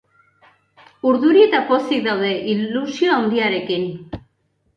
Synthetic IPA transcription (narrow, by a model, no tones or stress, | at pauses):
uɾðuɾiet̪apo̞st̪ik̚d̪awðe̞ʔilusioawnd̪iaɾe̞kin